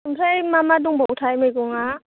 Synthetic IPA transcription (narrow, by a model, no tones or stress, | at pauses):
umsajmamaduŋbɔwtʰajmejɡɔŋa